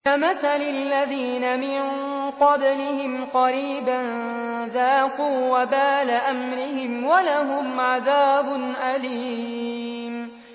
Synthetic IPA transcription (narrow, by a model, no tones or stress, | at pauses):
kamaθalɪlːaðiːnamɪn | qɑblɪhɪmqɑɾiːban | ðaːquːwabaːlaʔamɾɪhɪmwalaɦʊmʕaðaːbʊnʔaliː | m